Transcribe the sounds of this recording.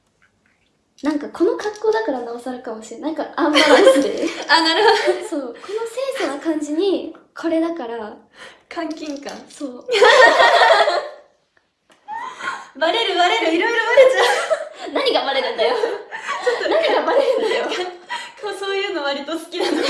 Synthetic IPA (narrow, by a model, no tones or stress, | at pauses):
nãŋkakʰo̞no̞kakːoːd̪akaɾanaosaɾɯkamo̞ɕienãŋkaʔamaesɨd̪eanaɾɯso̞ːko̞no̞sẽːsoɡakãɲd͡ʑiɲ̟i | kʰo̞ɾe̞d̪akaɾa | kʰãŋkʲĩŋkã̰ŋso̞ː | maɾe̞ɾɯaɾeɾɯiɾojɾomaɾeanaɲ̟iɡamaɾe̞ɾɯ̟̃nd̪ajot͡ɕot̪ːonaɲ̟iɡamaɾe̞ɾɯ̟̃nd̪ajokʰoso̞ːjɯ̟ːnoβaɾʲit̪osɨ̥kʲid̪ano